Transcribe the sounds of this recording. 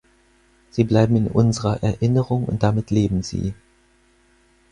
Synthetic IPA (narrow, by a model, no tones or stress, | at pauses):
z̥iːblaɪbm̩ɪnʔʊnzəʁɐʔɛɐʔɪnəʁʊŋʊ̰nt̚d̥amɪtʰleːbm̩zḭː